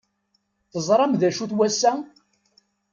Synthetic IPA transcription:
θəzˤɾˤɑmðæʃuθwæsːæ

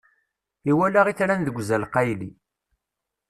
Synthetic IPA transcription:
iwælæʁiθɾænðəɡʷzælqæjlḭ

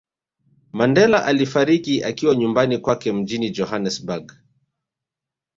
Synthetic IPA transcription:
mandɛlaʔalifaɾikiʔakiwaɲumbanikwakɛm̩d͡ʒinid͡ʒɔhanɛsbaɡ

